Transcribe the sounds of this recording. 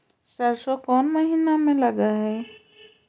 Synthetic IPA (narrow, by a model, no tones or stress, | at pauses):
səɾsokɔːnməɦiːnamẽlɐɡaɦɛː